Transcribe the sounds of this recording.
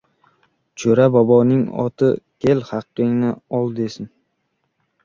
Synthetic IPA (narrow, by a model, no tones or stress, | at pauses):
t͡ʃʰoɾabɒbɒnɪŋɒ̰t̪ʰɪkʲʰe̞lhɑqːɨŋnɪɒlˠd̪esɪn